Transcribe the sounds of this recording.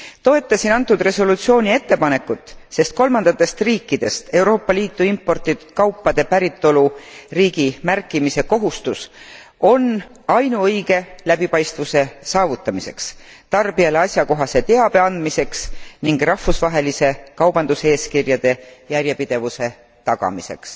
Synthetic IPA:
t̪o̞e̞t̪ːˑɑsinɑnt̪ːˑud̪̥re̞so̞lut̪sio̞ːnʲie̞t̪ːe̞pɑne̞kːˑut̪ːˑse̞st̪̚ko̞lmɑnd̪ɑt̪ːˑe̞st̪riːkːˑid̪̥e̞st̪e̞wɾo̞ːpːˑɑliːt̪ˑːuimpːˑo̞rt̪it̪ːu̥d̪̥kɑwpːɑd̪̥e̞pæɾit̪ːˑo̞luriːɡ̥imærkːˑimise̞ko̞ɦust̪us | o̞n | ɑjnuɤjɡe̞læb̥ipɑjst̪vuse̞sɑːvut̪ːˑɑmise̞̰ks | t̪ɑrbiɑleɑsʲjɑko̞ɦɑse̞t̪e̞ɑb̥e̞ɑnd̪̥mise̞ksniŋɡ̥rɑhfusvɑɦe̞lise̞kɑwb̥ɑnd̪̥use̞ːskirjɑd̪̥e̞jærʲje̞pid̪̥e̞vuse̞ | t̪ɑɡɑ̰mise̞̰ks

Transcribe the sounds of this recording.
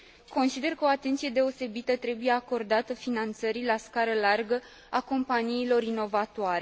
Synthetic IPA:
ko̞nsid̪e̞rkəo̞at̪e̞nt̪sije̞d̪e̞o̞se̞bit̪ət̪ɾe̞buje̞ako̞rd̪at̪əfinant̪səɾilaskaɾəlarɡə | ako̞mpaniːlo̞ɾino̞vat̪oaɾe̞

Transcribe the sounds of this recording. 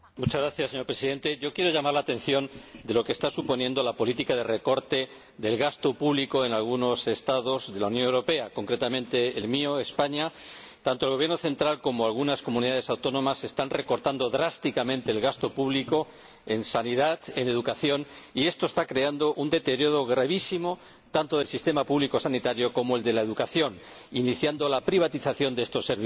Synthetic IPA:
mut͡ʃazɣɾaθjasːeɲoɾpɾesiðe̞nt̪e̞ʝo̞kje̞ɾo̞ʝamaɾlaːt̪ẽ̞n̟θjo̞nd̪e̞lo̞kest̪asupo̞njẽ̞nd̪o̞lapo̞lit̪ikaðe̞re̞ko̞ɾt̪e̞ | ðe̞lɣast̪o̞puβliko̞e̞nalɣ̞uno̞se̞st̪aðo̞zðe̞launjonewɾo̞pe̞ako̞ŋkɾe̞t̪amẽnt̪e̞ːlmio̞espaɲa | t̪ant̪olɣoβjeɾnoθe̞nt̪ɾalko̞moalɣunasko̞muniðað̞e̞sawt̪onõ̞mase̞st̪anre̞ko̞ɾt̪and̪o̞ðɾast̪ikamẽ̞nt̪e̞ːlɣast̪o̞puβliko̞ | e̞nsaniðat̪e̞ne̞ðukaθjo̞nie̞st̪o̞est̪akɾeand̪o̞ʔund̪e̞t̪e̞ɾjo̞ð̞o̞ɣɾaβisimo̞ | t̪ant̪o̞ð̞e̞lsist̪e̞mapuβliko̞sanit̪aɾjo̞ko̞moe̞ld̪e̞laeð̞ukaθjon | iniθjand̪o̞lapɾiβ̞at̪iθaθjo̞nd̪ee̞st̪o̞sːeɾβi

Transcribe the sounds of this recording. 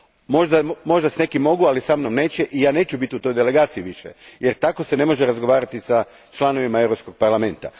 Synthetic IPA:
mo̞ʒd̪amo̞ʒd̪asne̞kimːo̞ɡualisamnomne̞ːt͡ɕe̞ʔijaːne̞ːt͡ɕubit̪iut̪o̞jd̪ele̞ɡaːt̪siiʋiʃḛjeɾt̪ako̞se̞ne̞mo̞ʒeɾazɡo̞ʋaːɾat̪isa | t͡ʃlˠano̞ʋimaewɾopsko̞ɡ̥̚paɾlˠame̞nt̪a̰

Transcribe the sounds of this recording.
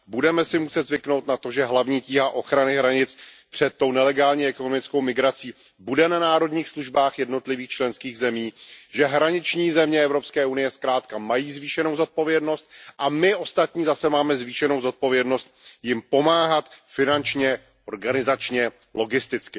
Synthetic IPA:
budɛmɛsɪmusɛt̪zvɪkno̞wt̪nat̪o̞ʒɛɦlavɲiːciːɦaʔo̞xɾanɪɦɾaɲɪt͡spr̥ɛt̪ːo̞wnɛlɛɡaːlɲiːɛko̞no̞mɪt͡sko̞wmɪɡɾat͡siː | budɛnanaːɾo̞dɲiːxsluʒbaːxjɛdnot̪lɪviːxt͡ʃlɛnskiːɣzɛmiːʒɛɦɾaɲɪt͡ʃɲiːzɛmɲɛɛvɾo̞pskɛːʔunɪjɛskɾaːt̪kamajiːzviːʃɛnowzo̞t̪̚po̞vjɛdno̞st̪̚ʔamɪʔo̞st̪at̪ɲiːzasɛmaːmɛzviːʃɛno̞wzo̞t̪̚po̞vjɛdno̞st̪̚jɪmpo̞maːɦat̪fɪnant͡ʃɲɛ | ʔo̞ɾɡanɪzat͡ʃɲɛ | lo̞ɡɪst̪ɪt͡skɪ

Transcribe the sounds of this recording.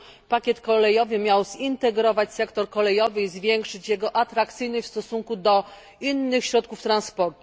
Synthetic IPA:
pakʲjɛt̪kɔlɛjɔvɘmʲjawz̥int̪ɛɡɾɔvat͡ɕsɛkt̪ɔɾkɔlɛjɔvɘizvʲjɛŋkʂɘt͡ɕjɛɡɔʔat̪ɾakt̪sɘjnɔɕfst̪ɔsuŋkud̪ɔ | inːɘxɕɾɔt̪̚kuft̪ɾanspɔɾt̪u̥

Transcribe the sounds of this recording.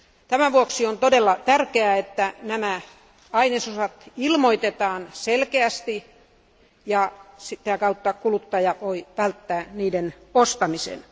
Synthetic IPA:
t̪æmæʋuoksiont̪odelːɑt̪ærkeæet̪ːænæmæ | ɑinesosɑt̪ilmoit̪et̪ɑːnselkeæst̪i | jɑsit̪æːkɑut̪ːɑkulut̪ːɑjɑʋoiʋælt̪ːæːniːdenost̪ɑmisḛn

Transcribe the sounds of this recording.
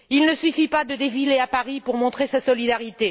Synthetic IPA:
ilnəsyfipad̪əd̪efileapaʁipuʁmɔ̃t̪χesasɔlid̪aʁit̪e

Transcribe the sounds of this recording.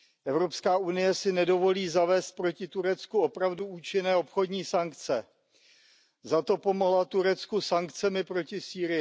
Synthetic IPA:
ʔɛvɾo̞pskaːʔunɪjɛsɪnɛdo̞vo̞liːzavɛːst̪̚pɾo̞cɪt̪uɾɛt͡skuo̞pɾavduuːt͡ʃɪnɛːo̞pxo̞dɲiːsaŋkt͡sɛ | zat̪o̞po̞moɦlat̪uɾɛt͡skusaŋkt͡sɛmɪpɾo̞cɪsiːɾɪjɪ

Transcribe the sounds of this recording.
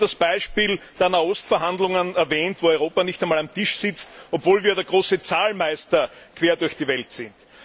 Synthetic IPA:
d̥asb̥aɪʃpiːld̥eːɐnaːɔstfɛɐɦandlʊŋənɛɐvɛːntv̥oːɔʏʁ̞oːpanɪçtæɪnmaːlamtʰɪʃsɪt͡stɔpv̥oːlviːɐdeːɐɡ̥ʁoːsət͡saːlmæɪstɐkʰv̥eːɐdʊɐçd̥iːvɛltsɪnt

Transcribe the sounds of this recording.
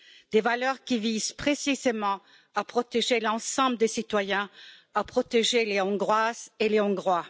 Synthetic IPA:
d̪evalœʁkʲiviz̥pχesizemɑ̃ | apχɔt̪eʒelɑ̃sɑ̃bləd̪esit̪wajɛ̃apχɔt̪eʒeleɔ̃ɡʁwazeleɔ̃ɡʁwa

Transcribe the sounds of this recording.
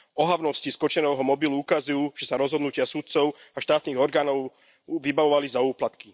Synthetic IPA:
ɔɦaʊnɔsciskɔt͡ʃɛnɛːɦɔmɔbiluukazujuːʒ̥ɛsaɾɔzɦɔd̪nucɪasut̪̚t͡sɔʊaʃt̪aːt̪niːɣɔɾɡaːnɔʊ | ʋibaʋɔʋalizauːplat̪ki

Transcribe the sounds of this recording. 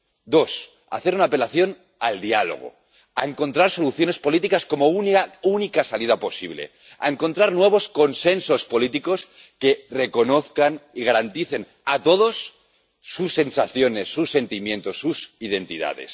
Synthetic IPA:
d̪o̞s | a̰θeɾunaːpe̞laθjo̞n | ald̪ialo̰ɣ̞o̞̰ | a̰e̞ŋko̞nt̪ɾaɾso̞luθjo̞ne̞spo̞lit̪ikasko̞moununikasalið̞apo̞siβle̞̰ | a̰eŋko̞nt̪ɾaɾnwe̞β̞o̞sko̞nse̞nso̞spo̞lit̪iko̞s | ke̞re̞ko̞no̞θkaniɣaɾant̪iθe̞n | at̪o̞ð̞o̞sː | usːe̞nsaθjo̞ne̞sːusːe̞nt̪imje̞nt̪o̞sːusið̞e̞nt̪iða̰ð̞e̞̰s

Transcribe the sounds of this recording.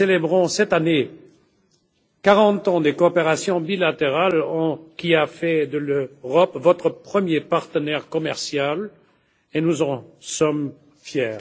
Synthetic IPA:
elebʁɔ̃sɛt̪ane | kaʁɑ̃t̪ɑ̃d̪ekoːpeʁasjɔ̃bilat̪eʁalɑ̃kʲiafɛd̪əløʁɔpvɔt̪χəpχəmjepaʁt̪ənɛʁkɔmɛʁsjal | enuzɑ̃sɔm | fjɛːʁ

